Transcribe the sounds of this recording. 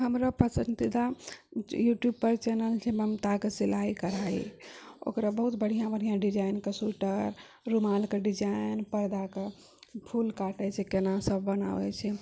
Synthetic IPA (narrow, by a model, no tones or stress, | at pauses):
ɦəmɾapəsənt̪id̪a | juʈjub̚pəɾt͡ʃɛnəlt͡ʃʰɛməmt̪akesilaikəɾaḭo̰kɾabəɦut̪bəɽ̤ijãbəɽ̤ijãɖid͡ʒajnkesuʈəɾ | ɾumalkeɖid͡ʒainpəɾd̪ake | pʰulkaʈɛt͡ʃʰɛkenasəbːəna̰ʋɛ̰t͡ʃʰɛ